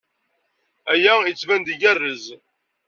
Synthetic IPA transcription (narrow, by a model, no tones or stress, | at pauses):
æjæjət͡sːvænd̪əɡærːəz